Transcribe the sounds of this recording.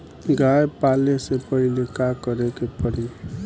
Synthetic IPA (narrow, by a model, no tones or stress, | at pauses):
ɡajpalesepʌɦilekakəɾekepəɾi